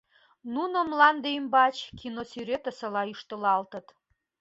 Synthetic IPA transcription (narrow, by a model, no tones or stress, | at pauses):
nunə̆mlɑnd̪ejmbɑt͡ɕkʰinosyɾet̪ə̆sə̆lɑyʃt̪əlɑlt̪ə̆t̪